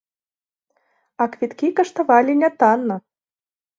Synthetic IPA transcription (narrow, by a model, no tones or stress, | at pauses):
ɑkvʲit̪kʲikɤ̆ʃt̪ɤ̆vɑlʲinʲɑt̪ɑnːɤ̆